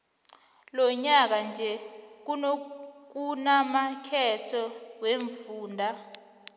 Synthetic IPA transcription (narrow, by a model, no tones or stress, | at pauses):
lɔɲak̬and͡ʒʱɛk̬unok̬unamakʰɛtʰɔweɱfuːndʱa